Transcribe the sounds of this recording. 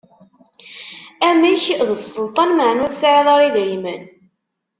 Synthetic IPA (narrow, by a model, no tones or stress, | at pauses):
æmiçðəsˤːəlt̪ˤɑnməʕnuθsʕiðˤɑɾˤiðɾimə̰n